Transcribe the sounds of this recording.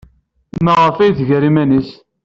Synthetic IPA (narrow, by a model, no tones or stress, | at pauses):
mæʁəfæjθʝəɾimænəs